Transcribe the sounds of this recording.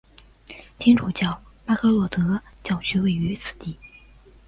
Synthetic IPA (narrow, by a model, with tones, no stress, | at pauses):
t̪ʰɛ˥ŋʈ͡ʂʰu˨˧˩t͡ɕjɑ˥˩ʊma˥kʰə˥lwɔ˥˩t̪ɤ˧˥t͡ɕjɑ˥˩ʊɕʰy˥we˥˩ɪy˧˥t͡sʰɹ̩˨˩t̪i˥˩